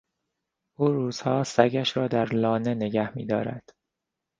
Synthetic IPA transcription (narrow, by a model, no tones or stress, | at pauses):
ʔuːɾuːz̥hɒːsæɟæʃɾɒːd̪æɾlɒːne̞ne̞ɟæhmḭːd̪ɒːɾæ̰d̪̥